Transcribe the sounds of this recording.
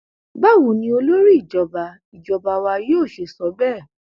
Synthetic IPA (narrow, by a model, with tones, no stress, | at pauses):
ɡ͡ba˦˨wũ˨˦nĩ˧o˧lo˦ɾi˦i˦˨d͡ʒɔ˨ba˨˧ | i˨d͡ʒɔ˨ba˧wa˧joː˦˨ʃe˨sɔ˨˦bɛ˦˨